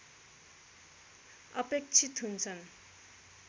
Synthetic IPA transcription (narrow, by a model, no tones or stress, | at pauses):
ʌ̰pek̚t͡ɕʰit̪ʰunt͡sʰʌn